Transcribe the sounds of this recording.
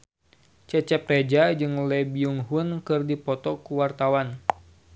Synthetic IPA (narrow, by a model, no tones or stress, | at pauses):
t͡ʃɛt͡ʃɛp̚rɛd͡ʒad͡ʒɨŋlɛbiuŋɦunkɨrdipɔt̪ɔkuwart̪awan